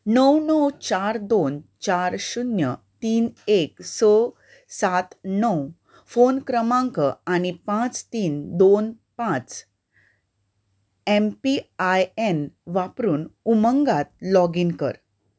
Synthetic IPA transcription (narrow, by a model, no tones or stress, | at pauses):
nəwnəwt͡ɕaɾd̪ont͡ɕaɾɕunjət̪iːneksə | sat̪nəw | fonkɾəmãŋkəañipãt͡st̪iːnd̪on | pãt͡s | empiajenʋapɾuːnuməŋɡat̪̚lɔɡiːnkə̰ɾ